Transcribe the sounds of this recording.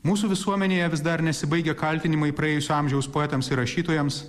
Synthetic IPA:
muːsuːʋʲɪsuɔmʲɛnʲeːjɛʋʲɪsd̪ɐɾnʲɛsʲɪbɐɪɡʲɛkɐlʲt̪ʲɪnʲɪmɐipɾɐeːjʊsʲuɐmʲʒʲɛʊspoɛt̪ɐmsɪɾɐʃʲiːt̪oːjɛms

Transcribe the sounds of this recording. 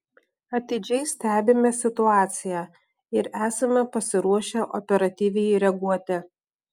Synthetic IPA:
ɐt̪ʲɪd͡ʒʲɛɪsʲt̪ʲæːbʲɪmʲɛsʲɪt̪ʊɑːt̪sʲɪjæ | ɪɾæːsɐmʲɛpɐsʲɪɾuɔʃʲɛʔɔ̰pʲɛɾɐt̪ʲiːʋʲɛjɪɾʲɛɡuɔt̪ʲɛ

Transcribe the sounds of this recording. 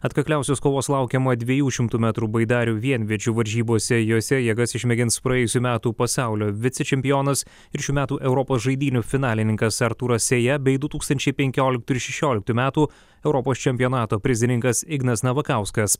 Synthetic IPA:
ɐt̪kɐkʲlʲæˑʊsʲoːskoːʋoːslˠɑˑʊkʲɛmɐd̪ʲʋʲɛjuːʃʲɪmt̪uːmʲæːt̪ɾuːbɐɪd̪ɑːɾʲuːʋʲiɛnʲʋʲiɛt͡ʃʲuːʋɐɾʲʒʲiːboːsʲɛjoːsʲɛjɛɡɐsɪʃʲmʲɛɡʲɪnspɾɐjɛːjʊsʲuːmʲæːt̪uːpɐsɑˑʊlʲoːʋʲɪt̪sʲɛt͡ʃʲɛmʲpʲɪjoːnɐs | ɪɾʃʲuːmʲæːt̪uːʔɛʊɾɔpoːsʒɐɪd̪ʲiːnʲufʲɪnɑːlʲɪnʲɪŋkɐsɐɾt̪uːɾɐsʲeːjɛbʲɛɪd̪ʊt̪uːkst̪ɐnʲt͡ʃʲɛɪpʲɛŋʲkʲoːlʲɪkt̪uːɪɾʃʲɛʃʲoːlʲɪk̚t̪uːmʲæːt̪uː | ɛʊɾɔpoːst͡ʃʲɛmʲpʲɪjoːnɑːt̪oːpʲɾʲɪzʲɪnʲɪŋkɐsɪɡnɐsnɐʋɐkɑʊskɐs

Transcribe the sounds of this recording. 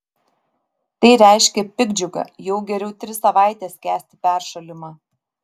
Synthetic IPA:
t̪ɐɪɾʲæɪʃʲkʲɛpʲɪɡd͡ʒʲʊɡɐ̰jɛʊɡʲɛɾʲɛʊt̪ʲɾʲɪsɐʋɑˑɪt̪ʲɛːskʲæːsʲt̪ʲɪ̥pʲæˑɾʃɐlʲɪmɑː

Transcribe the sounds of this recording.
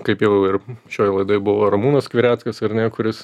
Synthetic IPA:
kɐɪpjɛʊjɛʊɪrʃʲoːjlˠɐɪd̪oːɪbʊʋoːɾɐmuːnoskʋʲɪɾʲæːt̪skɐsɐɾnʲɛkʊɾʲɪs

